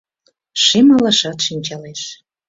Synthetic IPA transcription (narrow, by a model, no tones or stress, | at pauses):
ʃemɑlɑʃɑt̪ʃinʲt͡ɕɑleʃ